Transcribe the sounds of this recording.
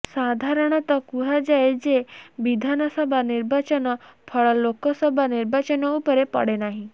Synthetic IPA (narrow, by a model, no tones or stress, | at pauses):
sad̪ʱaɾɔɽ̃ɔt̪ɔkuɦad͡ʒaed͡ʒebid̪ʱanɔsɔbʱaniɾbat͡ʃɔnɔpʰɔɭɔlokɔsɔbʱaniɾbat͡ʃɔnɔupɔɾepɔ̰ɽenaɦĩ